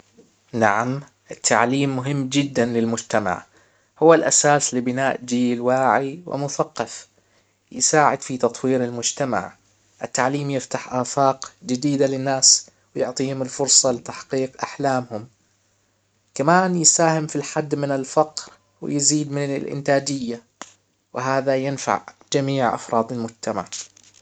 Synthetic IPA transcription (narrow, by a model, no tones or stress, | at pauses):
na̰ʕam | ʔɪt̪ʰːa̰ʕliːmːʊɦɪmːd͡ʒɪd̪ːanlɪlmʊd͡ʒt̪ama̰ʕ | hʊwːalʔasaːslɪbɪnaːʔd͡ʒiːlwaːʕiwɪ̰mʊθaqːɑf | jɪ̰saːʕɪd̪fit̪ɑt̪ˤwiːɾɪlmʊd͡ʒt̪ama̰ʕ | ʔɪt̪ːaʕliːmjɪft̪aħʔaːfɑːqd͡ʒɪd̪iːd̪alɪnːaːs | wɪjʊʕt̪ˤiːhʊmɪlfʊɾˤsˤɑlɪt̪aħqiːqʔaħlaːmhʊm | kamaːnjɪsaːhɪmfilħad̪ːmɪnɪlfɑqɾ | wɪ̰jziːd̪mɪnɪ̰lʔɪ̰nt̪aːd͡ʒɪjːa | wɪɦaːðajɪnfa̰ʕd͡ʒamiːʕʔɑ̰fɾˤʔɑːd̪ɪlmʊd͡ʒt̪ʰama̰ʕ